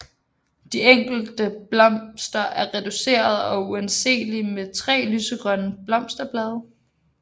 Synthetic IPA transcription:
d̥ieŋ̰ɡ̥l̩d̥əb̥lɒ̽m̰sd̥ɐʔæɐʁɛd̥use̝̰ːɐð̞ˠɒ̽uense̝̰ːlimet͡sʰʁɛ̰ːlyːsəɡ̥ʁɶnəb̥lɒ̽m̰sd̥ɐb̥lɛːð̞ˠɐ

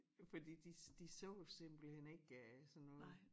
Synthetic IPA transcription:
fɒ̽d̥ḭːd̥id̥isɔʊsemb̥l̩hen̰e̝ɡ̥æsɒ̽nːɔ̽ːð̩

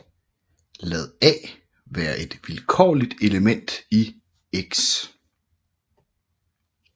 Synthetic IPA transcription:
lɛðˠɛ̰ː | ʋæːɐʔe̝d̥ʋilkʰɒ̰ːlid̥e̝ləmen̰d̥i | eɡ̥s

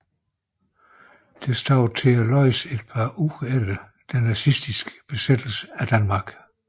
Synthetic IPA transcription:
d̥e̝sd̥ɒ̰ʊt͡sʰe̝ɐlɒɪse̝d̥pʰɑ̈ːʔuʁelə | d̥ænæsisd̥isɡ̥b̥e̝sed̥l̩sə̥æd̥ænmɑ̈ɡ̥

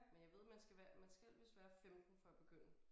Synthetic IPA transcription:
menjɑʋe̝ð̞̰ˠmænsɡ̥æʋæɐmænsɡ̥æl̰ʋe̝sʋæːɐfem̰d̥n̩fɒ̽æb̥e̝ɡ̥øn̰ə

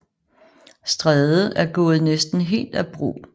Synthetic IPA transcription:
sd̥ʁɛðˠəʔæɐɡ̥ɔ̽ːð̞̩ˠnesd̥n̩ɦe̝̰ːld̥æb̥ʁṵː

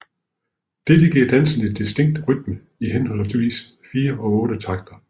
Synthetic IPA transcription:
d̥e̝d̥əɡ̥iɐd̥æn̰sn̩idːisd̥e̝ŋ̰d̥ʁyd̥̚mə | ihenhɒ̽lsʰʋḭːs | fiːɐʔɒ̽ɔ̽ːɾ̥ət͡sʰɑ̈ɡ̥̚d̥ɐ

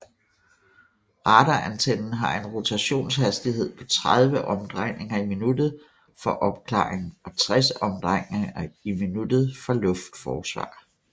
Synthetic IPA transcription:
ʁɑːd̥ɐʔænt͡sʰenn̩ɦɑ̈e̝nʁo̝t͡sʰæɕo̝̰ːnshæsd̥ihe̝ð̞̰ˠpʰɒ̽t͡sʰʁað̞ˠʋəʔɒ̽md̥ʁaŋ̰e̝ŋɐiminud̥ð̞̩ˠ | fɒ̽ʔɒ̽b̥kʰlɑ̰̈ːʁeŋ̩ɒ̽t͡sʰʁɛsɒmd̥ʁaŋeŋɐiminud̥ð̞̩ˠfɒ̽lɔ̽fd̥fɒːsʋɑ̰̈ː

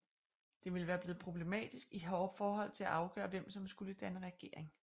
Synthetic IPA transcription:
d̥e̝ʋe̝ləʋæːɐb̥le̝ːð̞̩ˠpʰʁo̝b̥le̝mɛ̰ːd̥isɡ̥iɦɒʊfɒːɦɒ̽l̰t͡sʰe̝læʔɑ̈ʊɡ̥œ̰ːɐʋem̰sɒ̽msɡ̥uləd̥ænəʁɛɡ̥e̝ɐe̝ŋ

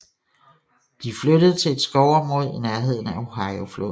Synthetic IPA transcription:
d̥ifløɾəð̞ˠt͡sʰe̝led̥sɡ̥ɒʊɒmʁo̝ð̰ˠinæɐɦe̝ð̞̰ˠn̩æo̝ɦɑ̈ɪoflo̰ː

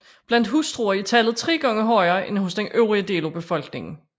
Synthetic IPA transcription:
b̥læn̰d̥ɦusd̥ʁuːɐit͡sʰæl̰ð̩ˠt͡sʰʁɛ̰ːɡ̥ɒŋəɦɒ̽ɪɐːenho̽sd̥enʔøʊʁiəd̥e̝ːlo̝b̥e̝fɒ̽l̰ɡ̥ne̝ŋn̩

